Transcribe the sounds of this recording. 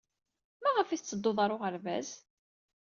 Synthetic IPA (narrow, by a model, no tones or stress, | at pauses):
mæʁəfit͡sːəd̪ˤːoðˤɑɾˤoʁəɾvæ̰z